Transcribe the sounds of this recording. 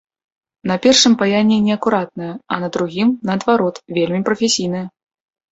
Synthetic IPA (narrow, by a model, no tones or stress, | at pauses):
nɐpʲɛrʂɨmpajanʲːinʲɛɐkuɾat̪̚nɐjɐɐ̰nɐd̪ɾuɣʲimnɐːd̪vaɾɔt̪vʲelʲmʲipɾɐfʲesʲijnɨjɐ